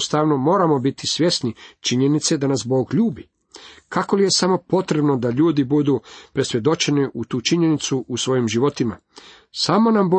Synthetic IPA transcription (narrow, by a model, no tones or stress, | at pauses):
st̪aʋno̞mo̞ːɾamo̞bit̪isʋʲje̞snit͡ʃiɲe̞nit̪se̞d̪anasbo̞ːɡʎuːbi | kako̞lije̞samo̞po̞t̪ɾe̞bnod̪aʎuːd̪ibud̪upɾe̞sje̞d̪o̞t͡ʃe̞niʔut̪uːt͡ʃiɲe̞nit̪suʔusʋo̞jimʒiʋo̞t̪ima̰ | samo̞nambo